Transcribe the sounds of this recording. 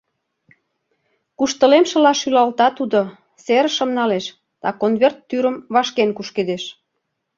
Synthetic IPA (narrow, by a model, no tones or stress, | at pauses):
kuʃt̪ə̆lemʃə̆lɑʃylɑlt̪ɑt̪ud̪o | seɾəʃə̆mnɑleʃ | d̪̥ɑkonβert̪ːyɾəmβɑʃkenkuʃked̪eʃ